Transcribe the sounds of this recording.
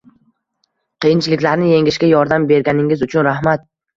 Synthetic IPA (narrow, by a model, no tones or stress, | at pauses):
qʰɨjɪnt͡ʃʰlɪkʲlaɾnɪje̞ŋʲɪʃkʲajɒɾd̪ambe̞ɾɡʲanɪŋɪzʊt͡ʃʰʊnɾahmat̪̚